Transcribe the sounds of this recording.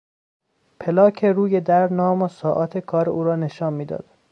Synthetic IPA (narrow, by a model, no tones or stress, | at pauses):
pʰelɒːcʰeɾuːjed̪æɾnɒːmosɒːʔɒːt̪ʰekʰɒːɾeʔuːɾɒːneʃɒːnmiːd̪ɒ̰ːd̪̥